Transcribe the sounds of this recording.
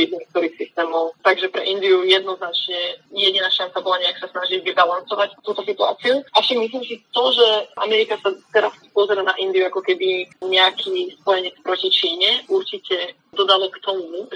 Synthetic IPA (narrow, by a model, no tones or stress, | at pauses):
id̪nik̚t̪ɔɾiːxsist̪ɛːmɔwt̪aɡʒɛpɾɛʔind̪iujɛd̪nɔznat͡ʃɲɛjɛɟinaːʃant͡sabɔlaɲɛaksasnaʒilvibalansɔʋact̪uːt̪ɔsit̪ua̰ːt͡siuʔafʃaɡmis̬limsit̪ɔʒɛʔa̰mɛɾikasat̪ɛɾaspɔzɛɾanaʔind̪iuakɔkɛbiɲɛakʰiːspɔjɛɲɛt͡spɾɔcit͡ʃiːɲɛʔuɾt͡ʃicɛ | d̪ɔd̪alɔkt̪ɔmumu